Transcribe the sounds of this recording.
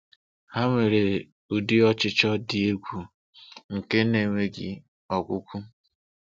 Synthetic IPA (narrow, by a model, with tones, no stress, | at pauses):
ha˦ŋʷe˨ɾe˨ | u˨di˦ɔ˦t͡ʃɪ˦t͡ʃɔ˦dɪ˨e˦ɡʷu˨ | ŋ̩˨ke˦ne˨ŋʷe˦ɡɪ̰˨ | ɔ˨ɡʷʊ˦kʷu˦